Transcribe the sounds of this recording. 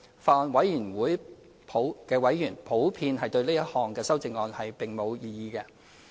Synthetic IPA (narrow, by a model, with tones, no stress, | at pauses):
faː˨ɔː˨˧nwɐ˨˥jːyː˨˩nwuː˨˥j | pʰo˨˥wkɛː˧wɐ˨˥jːyː˨˩npʰo˨˥wpʰiː˧nɦɐ˨˩jt̪ɵ˧ɥliː˥jɐ˥hɔː˨ŋkɛː˧sɐ˥wt͡sɪ˧ŋɔː˧nhɐ˨jpɪ˨ŋmo˨˧wjiː˧jiː˧kɛ˧